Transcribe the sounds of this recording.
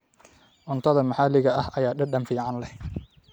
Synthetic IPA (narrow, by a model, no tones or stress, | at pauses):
ʕʊnt̪ʰɐðɐmɐħɑlɪɣɐɐhɐjaːɖɐɖɐnfiːʕɑnlɛh